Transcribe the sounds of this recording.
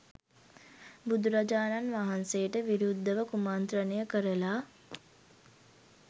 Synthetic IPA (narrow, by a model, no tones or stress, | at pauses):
bud̪uɾad͡ʒaːnanʋaɦansejəʈəʋiɾud̪ʱːəʋəkumant̪ɾənəjəkəɾəla